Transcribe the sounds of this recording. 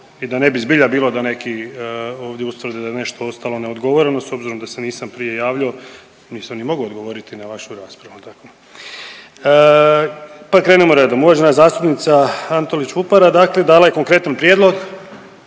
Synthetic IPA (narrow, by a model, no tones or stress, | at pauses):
id̪ane̞bizbiʎabiːlo̞d̪ane̞kioːʋd̪je̞ust̪ʋr̩d̪ed̪ane̞ʃt̪o̞o̞st̪alo̞ne̞o̞d̪ɡo̞ʋo̞ɾeno̞so̞bziɾo̞md̪ase̞niːsampɾije̞jaːʋʎao̞ | niːsamnimo̞ɡood̪ɡo̞ʋo̞ɾit̪inaʋaʃuɾaːspɾaʋut̪ako | ə | pakɾeːnemoɾe̞d̪omuʋad͡ʒe̞nazaːst̪upnit̪saant̪olit͡ɕʋupaɾad̪aːkle̞d̪aːlˠaje̞ko̞ŋkɾe̞t̪anpɾjed̪lˠoɡ